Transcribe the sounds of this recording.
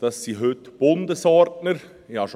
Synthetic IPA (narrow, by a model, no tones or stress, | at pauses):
d̥ɑsːiːɦøtb̥ʊndəsɔɾtnəɾ | jɑʃ